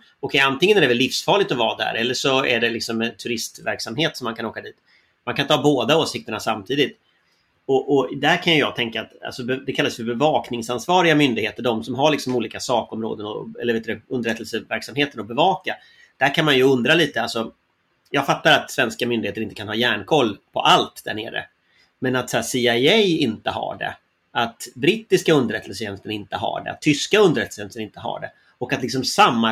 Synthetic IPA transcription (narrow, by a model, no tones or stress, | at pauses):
ɔkʰɛjant̪ɪŋːənæɖɛvɛlːɪfsfɑːɭɪt̪ɔvɑːd̪æ̰ɾʔɛlːəʂɔæɖɛlɪksɔmɛnt̪ʰɵɾɪst̪væɾksamɦeːt̪sɔmːankʰanoːkad̪iːt̪ | mankant̪ʰːhɑːboːd̪aoːsɪk̚t̪əɳasamt̪ʰiːd̪ɪt̪ | ɔʔɔd̪æɾkʰanjɵjɑɡt̪ʰɛŋkaːt̪a̰lsɔbɛd̪ɛkʰalːasjfœɾbɛvɑːknɪŋsansvɑːɾɪɡamʏnd̪ɪɡheːt̪əɖɔmsɔmɦaɾɭɪksɔmuːliːkasɑːkɔmɾo̰ːd̪ənɔ̰ɛ̰lːəɾveːt̪ːɾɛɵnd̪əɾɛt̪ːəlsəvæɾksamheːt̪ənɔbɛvɑːka | d̪̥æɾkʰanmanjɵɵnd̪ɾaliːt̪əalsɔ | jɑːɡfat̪ːaɾat̪svɛnskamʏnd̪ɪheːt̪əɾɪnt̪əkanɦɑːjæːɳkʰɔlːpʰɔ̰ʔalt̪d̪æ̰ɳḛːɾə̰ | mɛnat̪sæːsiaɛjɪnt̪əɦa̰ɖɛ̰ | at̪bɾɪːt̪ːɪskaɵnd̪əɾɛt̪ʰːəlsəɕɛnst̪əɳɪnt̪əɦa̰ːɖɛ̰a̰t̪ʰːʏskaɵnd̪ɾɛt̪əsɛnst̪ənɪnt̪əɦa̰ːɖɛ̰ | ɔkat̪lɪks̬ɔmsamːa